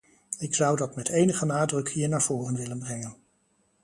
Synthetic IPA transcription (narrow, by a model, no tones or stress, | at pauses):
ɪksʌwdɑtmɛtʰejnəχənaːdrɵkɦiːɹnaːɹv̥ʊːrənʋɪlənbrɛŋən